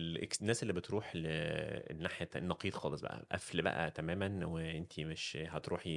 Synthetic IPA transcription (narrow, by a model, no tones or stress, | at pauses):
lenːæːselːiːbet̪ɾuːħl̰ | nːaħjænːɑqiːd̪xɑːlesˤbæ̰ʔæ̰ʔæ̰flibæ̰ʔæ̰t̪æmæːmænweʔent̪ʰimeʃhæt̪ɾʔuːħi